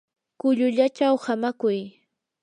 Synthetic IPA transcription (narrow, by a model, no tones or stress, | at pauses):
kʊʎʊʎat͡ʃawhamakʊj